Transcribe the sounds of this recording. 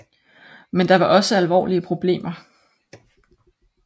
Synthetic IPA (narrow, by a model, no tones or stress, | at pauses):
mend̥ɑ̈ʋɑ̈ʔɒ̽səælʋɒ̰ːliəpʰʁo̝b̥le̝̰ːmɐ